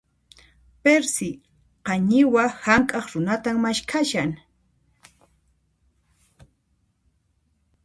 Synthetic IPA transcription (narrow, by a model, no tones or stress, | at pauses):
peɾsɪ | qɑɲɪwahamkʼɑχɾʊnat̪ammaʃkʰaʃaŋ